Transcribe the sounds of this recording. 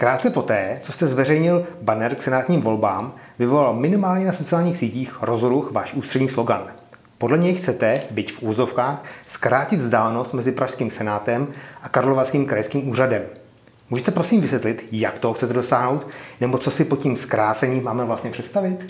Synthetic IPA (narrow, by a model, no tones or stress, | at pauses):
kɾaːt̪̚t͡sɛpo̞t̪ɛːt͡so̞st̪ɛzvɛrɛjɲɪlbanɛɾksɛnaːt̪ɲiːmvo̞lbaːm | vɪvo̞lalmɪnɪmaːlɲɛnaso̞t͡sɪaːlɲiːxsiːciːxɾo̞zɾuxvaːʃʔuːst̪r̝̥ɛdɲiːslo̞ɡa̰n | podlɛɲɛjxt͡sɛt̪ɛbɪcfʔuvozo̞fkaːxskɾaːcɪd̪zdaːlɛno̞st̪mɛzɪpɾaʃskiːmsɛnaːt̪ɛmʔakaɾlovaskiːmkɾajskiːmuːradɛm | muːʒɛt̪ɛpɾo̞siːmvɪsjɛt̪lɪt̪ja̰kt̪oɦoxt͡sɛt̪ɛdo̞saːɦno̞wt̪nɛbo̞t͡so̞sɪpo̞ciːmskɾaːt͡sɛɲiːmːaːmɛvlast̪ɲɛpr̥ɛt̪st̪avɪt̪